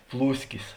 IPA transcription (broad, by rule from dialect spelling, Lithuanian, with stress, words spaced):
ˈplˠuːsʲkʲɪs